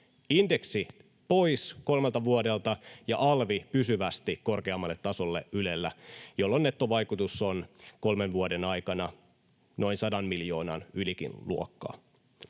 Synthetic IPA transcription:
inde̞ksi | po̞isko̞lmelt̪ɑʋuode̞lt̪ɑjɑʔɑlʋipysyʋæst̪ikko̞rkeɑmːɑlːe̞t̪ːɑsolːḛʔylelːæjo̞lːonːe̞t̪ːo̞ʋɑjkut̪usːonko̞lmenʋuode̞nɑjkɑnɑ | no̞insɑdɑnmiljo̞ːnɑ̰nylikḭnluokːɑ̰ː

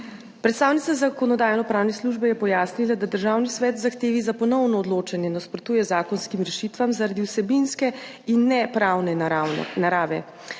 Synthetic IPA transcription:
pɾɛt̪st̪aːwnit̪sazakɔnɔd̪aːjnɔpɾaːwnɛsluʒbɛjɛpɔjaːsnilad̪ad̪əɾʒaːwnisʋɛːt̪zaxt̪eːʋizapɔnɔwnɔːd̪loːt͡ʃɛnjɛd̪aspɾɔt̪uːjɛzaːkɔnskimɾɛʃit̪ʋamzaɾad̪iwsɛbinskɛ | inːɛpɾaːwnɛnaɾaːʋɛ̰

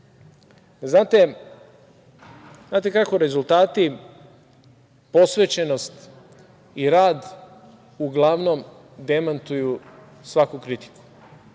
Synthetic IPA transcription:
znaːt̪e | znaːt̪̬e̞kako̞ɾe̞zult̪aːt̪i | po̞sʋet͡ɕeno̞st̪ | iɾaːd̪ | uɡlˠaʋno̞m | d̪e̞mant̪uju | sʋakukɾit̪i̥ku̥

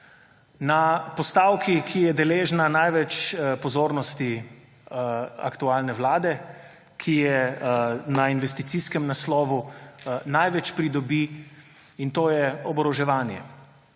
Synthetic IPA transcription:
napɔst̪awkikʰijɛd̪ɛleːʒnanajʋɛt͡ʃpɔzoːɾnɔst̪i | a̰kt̪uaːlnɛwlaːd̪ɛ | kʰijɛ | nainʋɛst̪it̪siskɛmnaslɔːʋunajʋɛt͡ʃpɾid̪ɔbi | int̪oːjɛɔbɾɔʒɛʋaːnjɛ̰

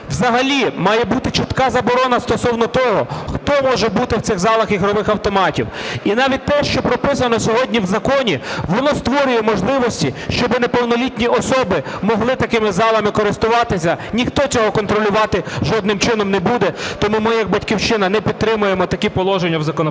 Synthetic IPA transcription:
wzɐɦɐlʲimɑjɛbut̪ɪt͡ʃɪt̪kɑzɐbɔɾɔnɐst̪ɔsɔwnɔt̪ɔɦɔxt̪ɔmɔʒɛbut̪ɪw̪sɪɣzɑlˠɐxiɦɾɔʋɪxɐwt̪ɔmɑtʲḭwinɑʋʲit̚ʲt̪ɛʃt͡ʃɔpɾɔpɪs̬ɐnɔsʲɔɦɔdʲnʲiwzɐkɔnʲiʋɔnɔst̪ʋɔɾʲʊjɛmɔʒlˠɪʋɔsʲtʲiʃt͡ʃɔbɪnɛpɔwnɔlʲit̪ʲnʲiʔɔsɔbɪmɔɦlˠɪt̪ɐkɪmɪzɑlˠɐmɪkɔɾɪst̪ʊʋɑt̪ɪsʲɐnʲixt̪ɔt͡sʲɔɦɔkɔn̪t̪ɾɔlʲʊʋɑt̪ɪʒɔd̪̚nɪmt͡ʃɪnɔmnɛbud̪ɛt̪ɔmumɪjɐɡ̚bɐtʲkʲiwt͡ʃɪnɐnɛpʲid̪̚t̪ɾɪmʊjemɔt̪ɐkʲipɔlˠɔʒenʲːɐwzɐkɔn

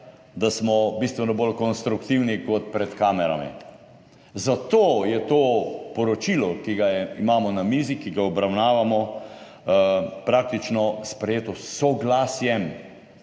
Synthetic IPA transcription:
d̪asmɔbist̪ʋɛnɔbolkɔnst̪ɾukt̪iwnikɔt̪̚pɾɛt̪kaːmɛɾa̰mḭ | zat̪oːjɛt̪oːpɔɾɔt͡ʃilɔkiɡajɛimaːmɔnamiːzikiɡaɔbɾawnaːʋamɔ | pɾaːk̚t̪it͡ʃnɔspɾɛjeːt̪ɔsɔɡlaːsjɛm

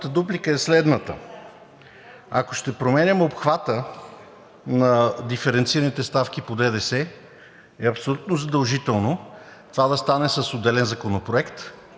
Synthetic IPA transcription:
t̪əd̪uplikəɛslɛd̪nət̪ə̰ | a̰ko̥ʃt̪ɛpɾomɛnʲɐmopxvat̪ə | nɐd̪ifɛɾɛnt̪siɾənit̪ɛst̪afk̟ipod̪ɛd̪ɛsɛ | ɛɐpsolʲut̪nozɐd̪ɐlˠʒit̪ɛlˠnot̪ovad̪ɐst̪anɛsəsod̪ɛlɛnzɐkonopɾoɛkt̪

